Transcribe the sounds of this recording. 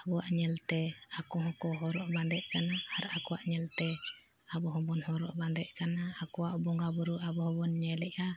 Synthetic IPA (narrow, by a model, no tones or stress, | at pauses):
abɔwaʔɲɛlt̪ɛakɔɦɔ̃kɔɦɔɾɔʔband̪ɛʔkanaːɾakɔwaʔɲɛlt̪ɛ | abɔɦɔbɔnɦɔɾɔ̰ʔband̪ɛʔkanaːkɔwaʔbɔŋɡabuɾuʔabɔɦɔbɔnɲɛlɛʔa